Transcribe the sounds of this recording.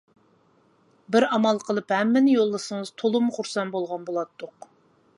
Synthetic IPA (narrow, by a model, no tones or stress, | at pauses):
bɪɾɑmɑlˠqʰəlˠɨphɛmːɪnɪjolˠːɨsəŋəz̥t̪ʰolˠumχʊɾsɑnbolˠʁɑnbolˠɑt̪ʰːʊq